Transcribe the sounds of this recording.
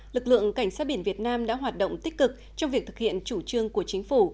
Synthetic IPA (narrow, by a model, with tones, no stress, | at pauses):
lɨ˨˩k̚lɨ̰˧˨əŋka˧˩jŋ̟saː˦˥t̚ɓi˧˩nvi˨˩ət̚naː˧mɗa̰ː˧˥ɦwaː˨˩t̚ɗo̰˧˨wŋ͡mt̪i˦˥k̚kɨ˨˩k̚ | t͡ɕɔ˧wŋ͡mvi˨˩ək̚t̪ɨ̥˨˩hḭ˧˨ənt͡ɕu˧˩t͡ɕɨ˧əŋku˧˩ət͡ɕï˨˦ŋ̟fu˧˩